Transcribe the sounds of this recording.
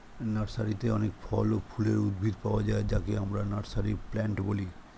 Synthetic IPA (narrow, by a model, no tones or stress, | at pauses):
naɾsaɾit̪eɔnekfʰɔlofʰuleɾud̪̚bʱid̪paoad͡ʑaed͡ʑakeamɾanaɾsaɾiplɛɳʈboli